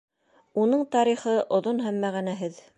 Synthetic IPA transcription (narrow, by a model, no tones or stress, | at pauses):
unɤɴt̪ɑɾiχɤʔŏðonɦæmːæʁænæɦɘð